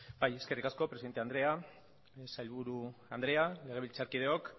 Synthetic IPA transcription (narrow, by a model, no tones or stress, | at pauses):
baje̞ske̞rikasko̞pɾesiðe̞nt̪e̞and̪ɾe̞a | sajlβuɾuand̪ɾe̞ale̞ɣe̞β̞ilt͡saɾkið̞eo̞k